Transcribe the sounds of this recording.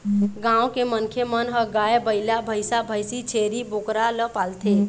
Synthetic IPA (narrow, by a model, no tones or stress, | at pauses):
ɡãwkemənkʰemənɦəɡaebəɪlabʱəɪsabʱəjsit͡ʃʰeɾibokɾaləpalt̪ʰe